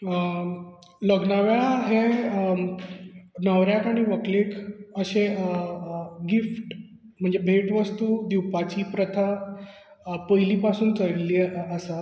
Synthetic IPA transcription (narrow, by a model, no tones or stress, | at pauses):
ləɡnaʋjaɭaɦe | nəʋɾjakaɽ̃iʋəklekʰəɕe | ɡifʈ | m̤əɳd͡zebʱeʈʋəst̪uːd̪iwpat͡ɕiːpɾət̪ʰa | pəjliːpasuːnt͡səɽliːəsa